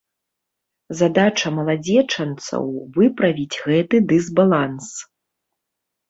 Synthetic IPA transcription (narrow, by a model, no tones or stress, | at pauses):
zad̪at͡ʂɐmɐlˠad͡zʲɛt͡ʂɐnt̪sɐ̰wvɨpɾɐvʲit͡sʲɣɛt̪ɨd̪ɨzbalˠans